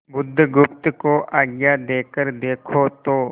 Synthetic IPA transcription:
bʊd̪ʱːɡʊpt̪koʔʔaːɡjad̪eːkəɾd̪eːkʰot̪oː

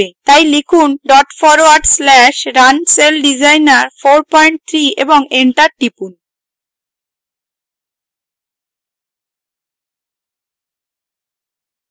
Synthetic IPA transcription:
et̪ajlikʰunɖɔʈfɔɾoaɾɖslɛʃɾanselɖid͡ʑajnaɾfoɾpɔjɳʈ̚t̪ʰɾiḛboŋeɳʈaɾʈipun

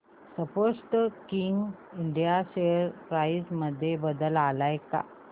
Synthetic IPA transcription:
səposʈkiŋɡ | iɳɖijaseəɾpɾajisməd̪ʱːjebəd̪əlalajka̰

